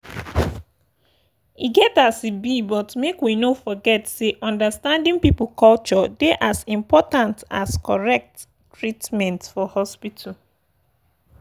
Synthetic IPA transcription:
iɡɛtasibibɔtmekwinofɔɡɛtseʔɔ̃ndəstãndɪ̃ŋpipʊlkɔlt͡ʃɔdeʔazĩmpɔtãnta̰skɔɹɛk̚tː | ɹitmɛ̃ntfɔhɔspitʰa

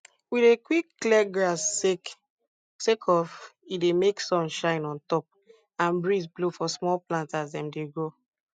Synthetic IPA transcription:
wiðekwikːlɛɡɹas | sekʰɔfidemeksɔ̃nʃãɪ̃nɔ̃ntɔp̚ | ãnbɹisblofɔsmɔlplãntazdɛ̃mdeɡɹo

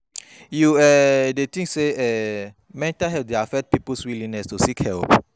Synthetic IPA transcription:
juɛdet̪ĩŋkseɛ | mɛ̃ntaɦɛdeafɛt̚pipəswilĩŋnɛstusikhɛlp̚

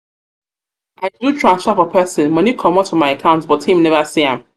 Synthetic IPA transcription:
ʔaɪdutʰɹãnstapɔpʰɜsɪ̃nmʌnikʰɔ̃mɔtʰːumaɪakʰãʊ̃ntbɔthĩmnɛvasiãm

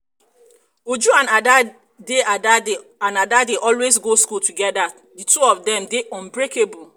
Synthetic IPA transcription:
od͡ʒuãnada | deʔada | ãnadadeʔɔlwesɡoskutuɡɛda | dituɔfdɛ̃mdeʔɔ̃nbɹekebu

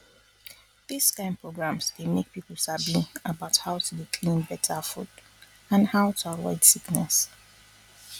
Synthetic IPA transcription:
ð̥iskãɪ̃n̚pʰɹoɡɹãmsdemek̚pipl̩ˠsabĩŋəbaʊthaʊtʰudikʰlĩnbɛtʰəfṵd | ãnhaʊtʰuavɔ̰ɪdsiknɛ̰s

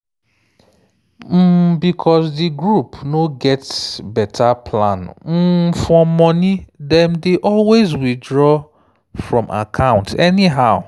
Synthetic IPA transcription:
m̩bikʰɔsdiɡɹupnoɡɛtbɛtʰapʰlã̰nm̩fɹɔmɔnidɛ̃mdeʔɔlwezwidɹɔ | fɹɔ̃mʔa̰kʰãʊ̃ntʰɛniɦaʊ

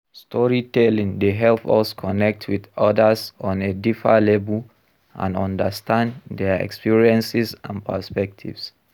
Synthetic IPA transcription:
stʰɔɹitɛlĩŋdeɦɛlpɔ̰skʰɔnɛk̚tʰwidɔdəsɔ̃nedifalebu | ʔã̰nɔ̃ndəstʰãndɛɛ̰kspiɹiɛ̃nsisã̰npəspɛk̚tʰḭvs

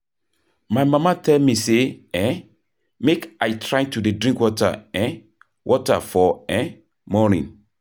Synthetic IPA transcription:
majmãmatʰɛlmiseɛ̃ | mekajtʰɹajtudedɹĩŋkwɔta̰ɛ̃n | wʔɔta̰fɔɛ̃ | mɔnḭ̃n

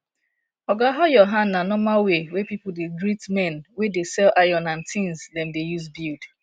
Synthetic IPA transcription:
ɔɡaɦajɔɦãnnanɔmalwewepipʊdeɡɹitmɛ̃nwedesɛlʔajɔ̃nãntʰĩnzdɛ̃mdejuzbild

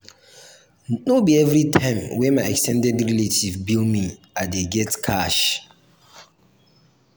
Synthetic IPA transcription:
nobiɛvɾitʰãɪ̃mwɛ̃nmaɪɛkstʰɛ̃ndɛdɹiletʰivbilmĩ | adeɡɛtkʰaʃ

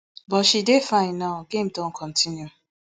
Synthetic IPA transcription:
bɔtʃidefãɪ̃nnːaʊɡẽmdɔ̃nkʰɔ̃ntʰĩnju

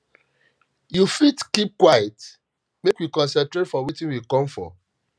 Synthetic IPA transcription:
jufitkip̚kwajɛt | mekwikɔ̃nsɛ̃ntɹɾetfɔwitĩnwikɔ̃mfɔ̰

